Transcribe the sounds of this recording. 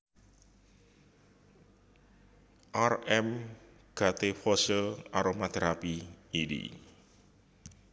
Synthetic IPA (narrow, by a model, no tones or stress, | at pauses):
ʔarɛm | ɡ̥a̤t̪efɔsəaɾomad̪̥ɾapiːɖḭ